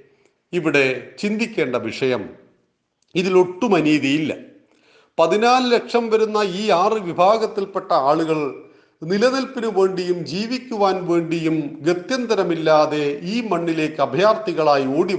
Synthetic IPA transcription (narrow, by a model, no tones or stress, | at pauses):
iʋiɽe̞t͡ɕind̪ikʲːe̞ːɳɖɐʋiʂɐjɐm | iðilo̞ʈːumɐniːðijilːɐ̰ | pɐðinaːlɨlekʂɐmʋɐɾunːɐiːaːrɨʋibʱaːɡɐt̪ːilpe̞ʈːɐaːɭuɣɐɭ | nilɐnilpinuʋe̞ːɳɖijumd͡ʑiːʋikʲːuʋaːnʋe̞ːɳɖijumɡet̪jɐnd̪ɐɾɐmilːaːðe̞iːmɐɳːile̞ːkːɨɐbʱjaːrt̪iɣɐɭaːjioːɽi